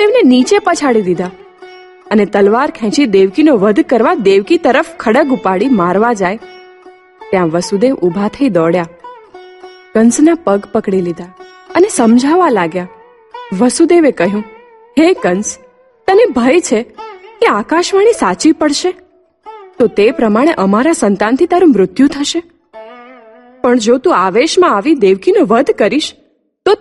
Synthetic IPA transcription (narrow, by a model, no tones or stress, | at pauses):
t̪eʋnenit͡ʃepət͡ʃʰaɽid̪id̪a | ənet̪əlʋaɾkʰɛ̃t͡ʃid̪eʋkinoʋəd̪ʱkəɾʋad̪eʋkit̪əɾəfkʰəɽəɡupaɽimaɾʋad͡ʒaj | t̪jãʋəsud̪eʋʔubʱat̪ʰəid̪ɔɽja | kənsnapəɡpəkɽilid̪a | ənesəmd͡ʒʱaʋalaɡja | ʋəsud̪eʋekəɦjũ | ɦekəns | t̪ənebʱəjt͡ʃʰekeakaʃʋaɽ̃isat͡ʃipəɽʃe | t̪ot̪epɾəmaɽ̃eʔəmaɾasənt̪ant̪ʰit̪aɾũmɾʊt̪jũt̪ʰəʃe | pəɳd͡ʒot̪ũaʋeʃmãaʋid̪eʋkinoʋəd̪ʱkəɾiʃ | t̪o